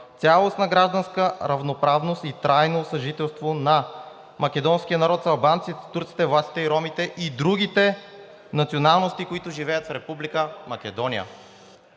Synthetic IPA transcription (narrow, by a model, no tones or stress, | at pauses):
t̪sʲalˠosnɐɡɾaʒd̪ənskəɾɐvnopɾavnost̪it̪ɾajnosɐʒit̪ɛlˠst̪vonɐ | mɐk̟ɛd̪ɔnsk̟ijənɐɾɔt̪zɐlˠbant̪sit̪t̪uɾt̪si̥t̪ɛvlˠast̪i̥t̪ɛiɾɔmit̪ɛʔid̪ɾuɡ̟it̪ɛ | nɐt̪sionalˠnost̪ikoit̪ʊʒivɛjət̪fɾɛpublikəmɐkɛd̪ɔnijə̰